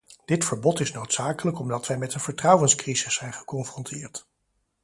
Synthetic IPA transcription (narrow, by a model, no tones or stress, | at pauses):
d̥ɪtfəɹbɔtɪsnowtsaːkələkɔmdɑtʋɛjmɛtənv̥əɹtrɑwənskrizɪsːɛjnχə̥kɔnfrɔntʰɪːɹt